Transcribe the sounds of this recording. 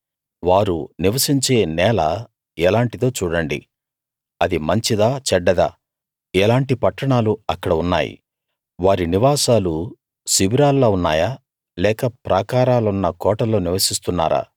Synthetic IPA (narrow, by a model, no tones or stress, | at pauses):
ʋaːɾuniʋɐsiɲt͡ʃe̞ːnɛːlɐ | ɛlaːɳʈit̪o̞ːt͡ʃuːɽɐɳɖḭ | ɐd̪imɐɲt͡ʃid̪aːt͡ʃɛɖːɐd̪a̰ː | ɛlaːɳʈipɐʈːɐɳaːluɐkːɐɽɐunːa̰ːjḭ | ʋaːɾiniʋaːsaːlu | sibiɾaːlːoːunːa̰ːjaː | lɛːkɐpɾʔɐkaːɾaːlɐunːɐkɔːʈɐlo̞ːniʋɐsist̪unːa̰ːɾa̰ː